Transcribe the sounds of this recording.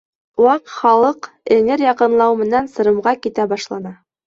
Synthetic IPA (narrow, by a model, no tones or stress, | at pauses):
wɑqχɑlˠɤq | ɘ̆ŋɘɾjɑqɤ̆nlˠɑwmɘ̆nænsɤ̆ɾɤ̆mʁɑkit̪æbɑʃlˠɑnɑ